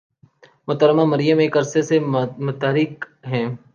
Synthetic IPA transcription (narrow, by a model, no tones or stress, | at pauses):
mʊt̪əɾmamɐɾɪjəmeːkɐɾsesemʊt̪aːɾiːkɦɛ̃ː